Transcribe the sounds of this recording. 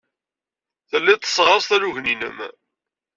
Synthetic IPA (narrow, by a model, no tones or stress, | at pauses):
θəlːæt̪ə̥sːˤʁɑsθæɾuʝninə̰m